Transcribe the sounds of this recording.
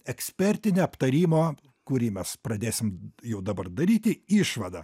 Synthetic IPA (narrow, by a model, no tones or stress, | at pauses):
ɛksʲpʲɛɾʲt̪ʲɪnʲeːɐpt̪ɐɾʲiːmoː | kʊɾʲiːmʲɛspɾɐd̪ʲeːsʲɪmjɛʊd̪ɐbɐrd̪ɐɾʲiːt̪ʲɪiːʃʋɐd̪ɐ̰